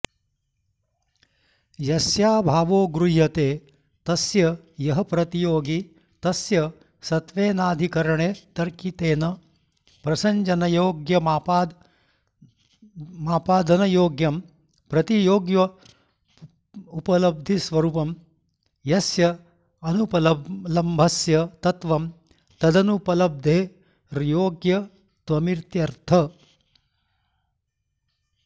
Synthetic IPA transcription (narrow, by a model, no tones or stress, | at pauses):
jɐsjaːbʱaːʋoːɡɾuɦɐt̪eː | t̪ɐsjɐ | jɐɦɐpɾɐt̪ijoːɡi | t̪ɐsjɐ | sɐt̪ʋeːnaːd̪ʱikɐɾɐɳeːt̪ɐɾkit̪eːnɐ | pɾɐsɐɲd͡ʒɐnɐjoːɡjɐmaːpaːd̪ | maːpaːd̪ʱɐnɐjoːɡjɐm | pɾɐt̪ijoːɡjɐ | upɐlɐb̚d̪ʱisʋɐɾuːpɐm | jɐsjɐ | ɐnupɐlɐlɐmbʱɐsjɐt̪ɐt̪ʋɐm | t̪ɐd̪ɐnupɐlɐb̚d̪ʱeː | ɾjoːɡjɐ | t̪ʋɐmiɾt̪jɐɾt̪ʰɐ